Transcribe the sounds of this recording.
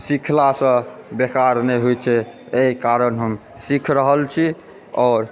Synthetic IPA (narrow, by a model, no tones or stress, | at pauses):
sikʰlasə̃bekaɾnɛɦojt͡ʃʰɛ | eikaɾənɦəm | sikʰɾəɦəlt͡ʃʰi | ɔːɾ